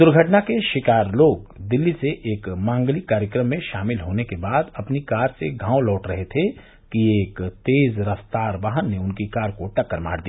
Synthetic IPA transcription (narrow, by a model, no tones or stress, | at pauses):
d̪ʊɾɡʱəʈnakeʃɪkaːɾloːɡd̪ɪlːiseʔeːkmãːŋɡlikaːɾjəkɾəmːẽʃaːmɪlɦoːnekebaːd̪ɐpnikaːɾseɡʱãːwlɔːʈɾɐɦet̪ʰe | kieːkt̪eːzɾɐst̪aːɾʋaːɦənːeʊnkikaːɾkoʈɐkːəɾma̰ːɽd̪ia